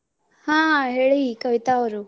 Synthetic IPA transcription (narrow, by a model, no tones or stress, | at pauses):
hãːɦeːɭiikɐʋit̪aːʋɐɾu